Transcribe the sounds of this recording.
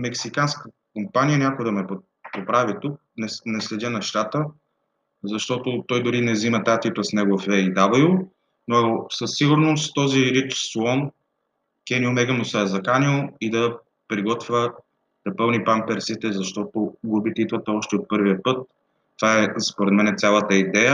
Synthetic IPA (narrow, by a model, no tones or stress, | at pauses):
mɛksikanskə | kompanijənʲakoəd̪ɐmɛp | popɾavit̪uk̚nɛnɛslɛd̪ʲənɛʃt̪at̪ə | zɐʃt̪ɔt̪ʊt̪ɔjd̪ʊɾinɛzimɐt̪at̪ip̪əsnɛɡʊɐfɛid̪abˠio | nosɐsːiɡʊɾnost̪ɔziɾit̪slˠɔn | kɛniomɛɡəmʊsɐɐzɐkanilˠid̪ɐ | pɾiɡɔt̪vʲə | d̪̥ɐpɤlˠnipampɛɾsit̪ɛzɐʃt̪ɔt̪oɡubit̪ɛid̪vɐt̪ɛɔʃt̪ɛot̪̚pɤɾviəpɤt̪ː | vaɛspoɾɛd̪mɛnɛt̪ʲalˠət̪əid̪ɛjə